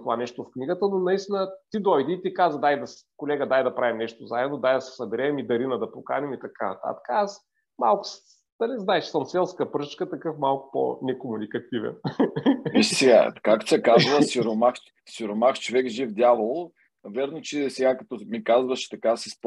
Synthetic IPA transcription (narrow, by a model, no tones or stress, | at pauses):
t̪ovanɛʃt̪ofkniɡət̪ənonɐist̪inət̪id̪ɔjd̪iːt̪ikazəd̪ajd̪ɐskolɛɡəd̪ajd̪ɐpɾavimnɛʃt̪ozaɛd̪nod̪ajd̪ɐsɛ̥sɐbɛɾɛmid̪ɐɾinəd̪ɐpoka̰nʲɛmit̪ɐkanɐt̪a̰t̪ə̥kəas | ma̰lˠkʊ̥s | d̪ɐliznaɛt͡ʃɛ̥səmsɛlˠskəpɾɤt͡ʃkət̪ɐkɤfmalˠkʊ̥po̰nɛkomunikɐt̪ivɛ̰nviʃsɛɡa̰kak̚t̪ʊ̥sʲɛkazvəsiɾomax | siɾomaxt͡ʃovɛkʒivd̪ʲjavəlˠo | vʲɛɾnot͡ʃisɛɡakɐt̪ɔmikazvəʃt͡ʃɛ̥t̪ɐkasisp